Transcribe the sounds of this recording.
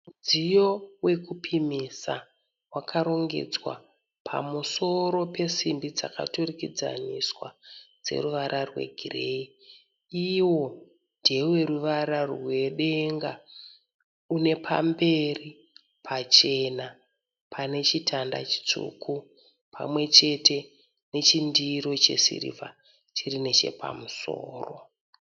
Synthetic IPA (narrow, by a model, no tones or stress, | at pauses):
d͡zijo̞we̞kupʰimisa | wakʰaɾo̞ŋɡe̞̰d͡zwa̰ | pʰa̰muso̞ɾo̞pe̞simbid͡za̰ka̰turikid͡za̰niswa̰d͡ze̞̰ruʋaɾʔarwe̞̰ɡʱirei | iwo̞ | ndʱewe̞ɾuʋaɾarrwe̞ɗe̞ŋɡa | une̞pʰa̰mbe̞ri | pʰat͡ʃe̞na | pʰane̞t͡ʃitʰanda̰t͡ʃi̥t͡sṵku | pʰa̰mwe̞t͡ʃe̞tʰe̞ | ne̞t͡ʃindiɾo̞t͡ʃe̞̰sḭrḭva̰ | t͡ʃirine̞t͡ʃe̞̰pʰa̰muso̰ːro̞